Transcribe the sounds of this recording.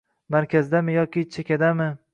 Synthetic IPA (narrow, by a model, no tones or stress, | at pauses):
maɾkʲazd̪amɪjɒkʲɪt͡ʃʰekʲad̪amɪ